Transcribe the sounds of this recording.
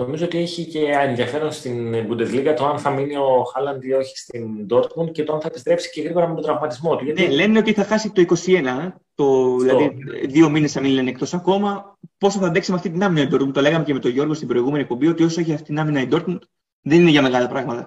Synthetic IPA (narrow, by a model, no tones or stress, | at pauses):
no̞mizoot̪ie̞çice̞enðiɐfe̞ɾo̞nst̪inbud̪e̞zliɣɐt̪oɐnθɐminio̞xɐlɐnd̪io̞çi̥st̪ind̪o̞ɾt̪mund̪̚ce̞t̪oɐnθɐe̞pist̪ɾe̞psi̥ce̞ɣɾiɣo̞ɾɐmet̪od̪ɾɐvmɐt̪izmo̞t̪uʝɐt̪nele̞neo̞t̪iθɐxɐsit̪o̞iko̞sie̞nɐ | t̪o̞ðilɐðiðio̞mine̞sɐminle̞nek̚t̪o̞sɐko̞mɐpo̞soθɐd̪eksimeɐft̪it̪inɐminɐid̪o̞ɾt̪munt̪o̞le̞ɣɐme̞ceme̞t̪o̞ʝo̞ɾɣost̪ibɾo̞iɣumeniek̚po̞mbio̞t̪io̞soeçiɐft̪it̪inɐminɐid̪o̞ɾt̪mund̪ | ðe̞nine̞ʝɐme̞ɣɐlɐpɾɐɣmɐt̪ɐ